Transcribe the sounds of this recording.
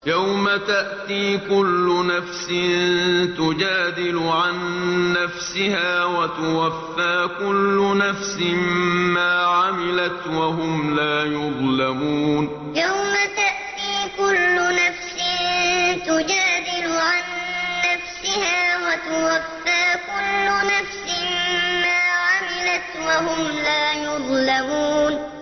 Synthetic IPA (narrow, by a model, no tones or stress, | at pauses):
jawmat̪aʔt̪iːkʊlːʊnafsɪt̪ʊd͡ʒaːd̪ɪlʊʕanːafsɪhaːwat̪ʊwafːaːkʊlːʊnafsɪmaːʕamɪlat̪waɦʊmlaːjʊðˤlamuːn | jawmat̪aʔt̪iːkʊlːʊnafsɪt̪ʊd͡ʒaːd̪ɪlʊʕanːafsɪhaːwat̪ʊwafːaːkʊlːʊnafsɪmmaːʕamɪlat̪wahʊmlaːjʊðˤlamuːn